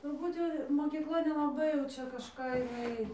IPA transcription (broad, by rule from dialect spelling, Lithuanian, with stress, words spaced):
tʊrˈbuːt jɛʊ moːkʲiːkˈlˠɐ nʲɛlˠɐˈbɐɪ jɛʊ ˈt͡ʃʲɛ kɐʃˈkɑː jɪˈnɐɪ